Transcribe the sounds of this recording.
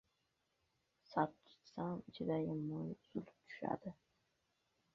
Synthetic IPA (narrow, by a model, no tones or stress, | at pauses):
satt̪ʰɪ̥t̪samɪt͡ʃʰɪd̪ajɪmːojz̥ʊlp̚t̪ʰʊ̥ʃa̰d̪̥ɪ